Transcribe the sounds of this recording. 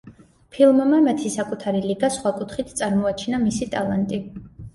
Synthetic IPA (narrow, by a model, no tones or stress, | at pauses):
pʰilˠmmamɛt̪ʰisakʼut̪ʰaɾiliɡasχwakʼut̪ʰχit̪ʰt̪sʼaɾmɔat͡ʃʰɛnamisit̪ʼalˠant̪ʼi